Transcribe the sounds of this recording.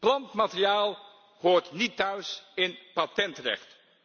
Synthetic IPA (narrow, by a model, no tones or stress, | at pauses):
plɑntmatrijaːlˠ | hoːɹtnitœɥsɪnpatɛntrɛ̰χt